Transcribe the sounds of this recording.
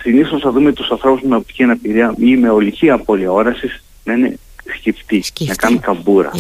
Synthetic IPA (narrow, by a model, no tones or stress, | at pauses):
siniθosnɐðumet̪usɐnθɾo̞puzmeop̚t̪i̥ciɐnɐpiɾiɐime̞o̞liciɐpo̞liɐo̞ɾɐsis | nɐine̞̰ | scift̪inɐkɐnkɐbuɾɐ̰